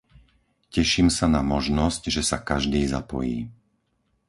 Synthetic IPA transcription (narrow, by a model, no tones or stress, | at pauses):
cɛʃiːmsanamɔʒnɔscʒɛsakaʒd̪iːza̰pɔ̰jḭː